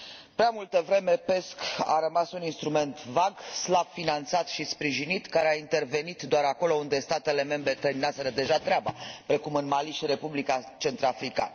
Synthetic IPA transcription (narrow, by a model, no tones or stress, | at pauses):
pɾeamult̪əvɾe̞me̞pe̞ska̰ɾəmasuninst̪ɾume̞nt̪vaɡslab̥̚finant̪sat̪ʃispɾiʒinit̪kaɾeaint̪e̞rve̞nit̪d̪oaɾako̞lo̞und̪e̞st̪at̪e̞le̞me̞mbɾe̞t̪əminaseɾəd̪e̞ʒat̪ɾeaba̰pɾe̞kumɨnmaliʃiɾe̞publikat͡ʃe̞nt̪ɾafɾika̰nə